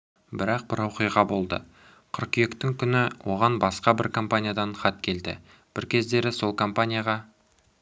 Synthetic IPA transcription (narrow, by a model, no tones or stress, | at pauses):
bɪɾɑq̚bɪɾwoqijʁɑbo̞lˠd̪ə̰ | qʰʏɾqje̞kt̪ɪŋkʲʰʏnɪwʔo̞ʁɑnbɑsqɑbɪɾkʰo̞mpanʲijad̪ɑɴχɑt̪kʲʰe̞ld̪ɪ̰ | b̥ɪɾkʲʰe̞zd̪e̞ɾɪso̞lˠkʰo̞mpanʲijaʁɑ